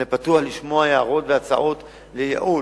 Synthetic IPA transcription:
epatuaχliʃmo̞ajeaʁo̞tveat͡sa̰ʔo̞t | lejḛʔu

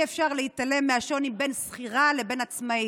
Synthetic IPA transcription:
efʃaʁlehit̪ale̞mːeaʃo̞nimbe̞nsχiʁale̞be̞nat͡smai

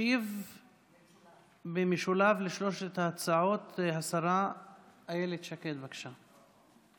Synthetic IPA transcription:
iv | bemiʃulavleʃlo̞ʃet̪at͡saʕot̪ɦasaɾa | ajelet̪ʃaket̪bakʃa

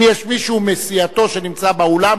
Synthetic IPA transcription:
jɛʃmiʃuumesiat̪o̞ʃe̞nimt͡sabaola

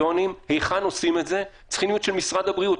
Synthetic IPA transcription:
o̞nimhe̞jχano̞sime̞tze̞ | t͡sχinijutʃelmisʁad̪habʁiut

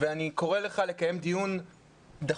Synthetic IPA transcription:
veaniko̞ʁele̞χale̞kaje̞md̪ijun | d̪a

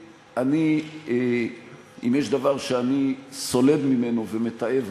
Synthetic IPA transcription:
ani | imjeʃd̪avaʁʃeaniso̞le̞dmime̞novemet̪aev

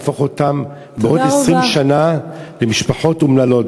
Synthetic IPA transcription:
fo̞χotam | beʔo̞desʁimʃanalemiʃpaħo̞tumnalo̞t

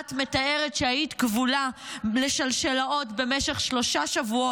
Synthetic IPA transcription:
tme̞tae̞ʁetʃeajit̪kvulale̞ʃalʃelao̞tbe̞meʃe̞χʃlo̞ʃaʃavuo

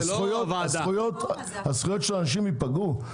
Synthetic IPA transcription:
sχujotasujot̪ | hasχujotʃelanaʃimipaɡu

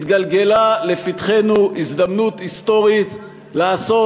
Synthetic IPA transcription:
t̪ɡalɡe̞lale̞fit̪χe̞nuʔizd̪amnut̪ist̪o̞ʁit̪ | laːso̞

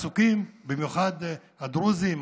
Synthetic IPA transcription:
sukimbimjuχad̪ | ad̪ɾuzim

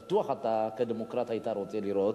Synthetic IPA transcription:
t̪uaxat̪ːakəd̪əmokɾat̪ajt̪aɾot͡sʼeliɾo

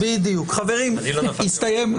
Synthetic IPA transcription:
bid̪ijukχaveʁimniist̪aje̞m

